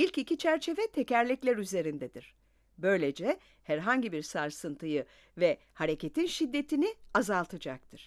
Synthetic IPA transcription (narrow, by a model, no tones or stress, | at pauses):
ilʲcicʰit͡ʃʰæɾt͡ʃʰe̞vɛt̪ʰe̞cæɾlʲiclʲæɾyze̞ɾind̪ɛd̪iɾ̥ | bø̞jlʲe̞d͡ʒɛ | hæɾɦaɲɟibiɾsaɾsɯnt̪ʰɯjɯ | vɛ | haɾecʰe̞t̪ʰinʃid̪ːe̞t̪ʰiniazalˠt̪ʰad͡ʒak̚t̪ʰɯɾ̥